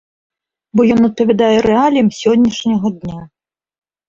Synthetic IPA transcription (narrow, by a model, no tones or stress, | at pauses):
bɔjɔnɐt̪̚pɐvʲɐd̪ajɛɾɛalʲijɛmsʲɔnʲːɐʂnʲɐɣɐd̪ʲnʲa